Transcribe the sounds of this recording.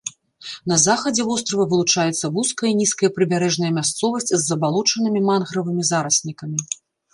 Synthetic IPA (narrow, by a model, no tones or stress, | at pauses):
n̪ɐzaxɐd͡zʲɛvɔst̪ɾɐvɐvɨlˠut͡ʂajɛt̪sːɐvuskɐjɐinʲiskɐjɐpɾɨbʲaɾɛʐnɐjɐmʲast̪sɔvɐsʲt͡sʲzːɐbalˠɔt͡ʂɐnɨmʲimanɣɾɐvɨmʲizaɾɐsʲnʲikɐmʲi